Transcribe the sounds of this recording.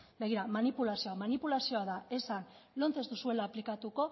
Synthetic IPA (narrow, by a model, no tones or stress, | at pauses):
be̞ɣiɾamanipulasio̞amanipulasio̞aðae̞sanlo̞nt͡se̞zt̪usue̞laːplikat̪uko̞